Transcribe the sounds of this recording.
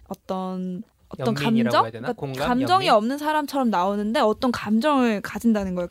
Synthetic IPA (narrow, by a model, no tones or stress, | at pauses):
ʌt͈ʌn | ʌt͈ʌnkamd͡ʑʌŋk͈akamd͡ʑʌŋiʌmnɯnsʰaɾamt͡ɕʰʌɾʌmnaonɯnde̞ʌt͈ʌnkamd͡ʑʌŋɯɭkad͡ʑindanɯnɡʌe